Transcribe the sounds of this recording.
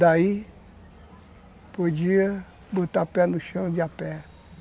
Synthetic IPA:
d̪ai | pod͡ʒiɐ | bot̪apɛnʊʃɐ̃w̃d͡ʒɪapɛ

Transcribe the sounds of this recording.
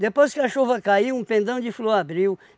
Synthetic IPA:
d̪epojskɪɐʃovɐkaiũpẽnd̪ɐ̃w̃d͡ʒɪfloɾabɾiw

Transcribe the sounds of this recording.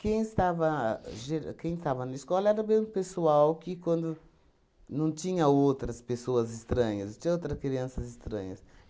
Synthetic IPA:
kẽj̃ɪst̪avɐʒeɾkẽj̃ɪst̪avɐnɐɪskɔlɐɛɾɐbezmʊpesuawkɪkwɐ̃nd̪ʊ | nɐ̃w̃t̪ĩɲɐowt̪ɾɐspesoɐzɪst̪ɾɐ̃ɲɐst͡ʃ̪ĩɲɐot̪ɾɐskɾiɐ̃sɐzɪst̪ɾɐ̰̃ɲɐs

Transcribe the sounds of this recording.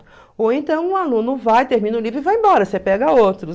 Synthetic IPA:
owẽnt̪ɐ̃w̃ũalũnʊvajt̪eɾmĩnɐʊlivɾʊivaẽmbɔɾɐsepɛɡɐowt̪ɾʊ

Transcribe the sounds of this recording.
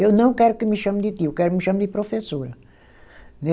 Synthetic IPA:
ewnɐ̃w̃kɛɾukɨmɨʃɐmd̪ɪt̪iukɛɾumɪʃɐmd̪ɪpɾofesoɾɐ | ne

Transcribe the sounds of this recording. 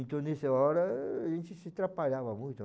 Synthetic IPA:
ĩnt̪õnesɐɔɾɐʒẽnt͡ʃ̪ɪsit̪ɾapaʎavɐmujt̪ʊ

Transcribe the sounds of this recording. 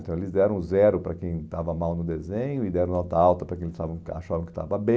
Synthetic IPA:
t̪ɐ̃w̃elɪzd̪ɛɾɐ̃w̃zɛɾʊpɾɐkẽj̃t̪avɐmawnʊd̪ezẽɲʊɪd̪ɛɾɐ̃w̃nɔt̪ɐawt̪ɐpɾɐkẽelɪst̪avɐ̃w̃kɪa̰ʃavɐ̃w̃kɪ̥t̪a̰vɐbẽ

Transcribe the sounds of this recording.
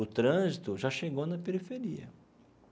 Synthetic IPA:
ʊt̪ɾɐ̃zit̪ʊʒaʃeɡownɐpeɾifeɾiɐ̰

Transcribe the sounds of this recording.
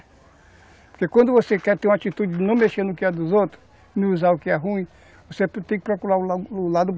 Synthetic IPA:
poɾkekwɐ̃nd̪ʊvosekɛɾt̪ẽɾũat͡ʃit̪ud͡ʒɪd͡ʒɪnɐ̃w̃meʃeɾnʊkɪɛd̪ʊzowt̪ɾʊs | nẽuzaʊkɪɛɦũĩ | voset̪ẽj̃kɪ̥pɾokuɾaʊʊlad̪ʊb

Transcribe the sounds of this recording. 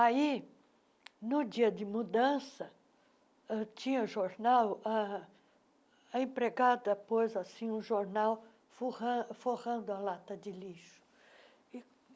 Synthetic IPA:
ai | nʊd͡ʒiɐd̪ɪmud̪ɐ̃sɐ | t͡ʃĩɲɐʊʒoɾnawa | ẽpɾeɡad̪ɐpojzasĩũʒoɾnaw | fohɐ̃foʁɐ̃nd̪ʊɐlat̪ɐd͡ʒ̪ɪliʃʊ̥ | ɪ

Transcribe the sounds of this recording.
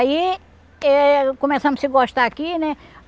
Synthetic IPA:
i | ɛkomɛsɐ̃mʊsɪɡɔʃt̪ɐːkinɛ

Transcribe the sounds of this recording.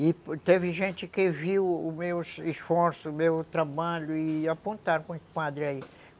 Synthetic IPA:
ɪpt̪evɪʒẽnt͡ʃ̪ɪkɪviwʊmewsisfɔɾsʊmewt̪ɾabaʎʊɪapõnt̪aɾkõspad̪ɾɪai

